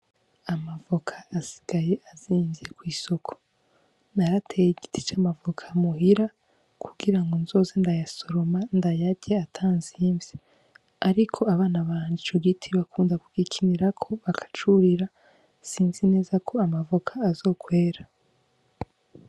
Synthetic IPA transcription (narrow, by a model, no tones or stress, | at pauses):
amavokʰḁːsi̥ɡ̥ajeʔaziːɱvekwiːso̞kʰo̥ | naɾatʰejiɟitʰi̥t͡ʃamavokʰamuhiɾa | kʰuɡiɾaŋɡonzo̞ːzendajaso̞ɾo̞mandajaɟeatʰaːnziɱvji | aɾikʰo̞aβaːnaβaːnɟit͡ʃoɡitʰiβakʰuːndakuɡ̥ikʰiniɾakʰo̞βakʰḁt͡ʃuɾiɾa | siːnzine̞ːzakʰo̞amavokʰaːzo̞ːkwe̞ːɾa